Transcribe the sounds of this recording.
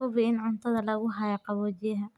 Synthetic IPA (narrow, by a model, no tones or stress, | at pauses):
ʊβɪɪnʕʊnt̪ʰɐðɐlɐɣʊɦɐjɐqɑβɔːt͡ʃɪjɐɦɐ